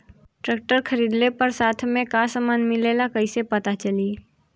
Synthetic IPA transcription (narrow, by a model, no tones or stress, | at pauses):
ʈɾɛːk̚ʈəɾkʰɐɾiːd̪lepɐɾsaːt̪ʰmẽkasəmaːnmɪleːlakɐisepɐt̪at͡ʃɐliː